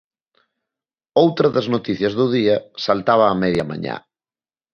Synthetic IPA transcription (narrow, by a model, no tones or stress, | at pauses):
owt̪ɾɐðɐznot̪iθjɐzðʊðiɐsalt̪aβ̞aːmɛðjɐma̰ɲa̰